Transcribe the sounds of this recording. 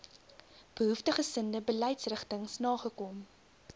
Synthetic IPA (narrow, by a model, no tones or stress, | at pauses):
b̥əɦuftəχəsəndəbəlɛjtsrəχtəŋsnɑːχəkɔm